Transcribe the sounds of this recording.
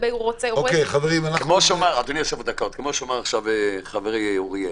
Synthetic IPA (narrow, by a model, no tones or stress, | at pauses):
beuʁot͡seokejχaveʁimanakmoʃomaʁad̪onioʃevud̪akot̪kemoʃomaʁaχʃaveχaveʁioʁije